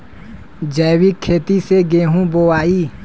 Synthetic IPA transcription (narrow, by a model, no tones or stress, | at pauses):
d͡ʒɛːwikʰːeːt̪iseɡeːɦũboːaːiː